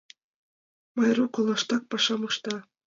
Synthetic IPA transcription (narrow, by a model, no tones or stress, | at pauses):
mɑjrukolˠɑʃt̪ɑk̚pɑʃɑmɤ̆ʃt̪ɑ